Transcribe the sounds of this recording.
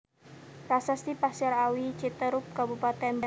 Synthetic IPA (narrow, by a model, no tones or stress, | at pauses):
rasasipasaɾawit͡ʃit̪əɾʊp̚kabupat̪ɛnb